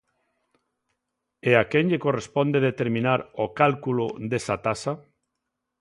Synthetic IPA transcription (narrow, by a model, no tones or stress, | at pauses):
eakeŋʎekorespond̪eðet̪eɾmĩnaɾokalkuloðesat̪asa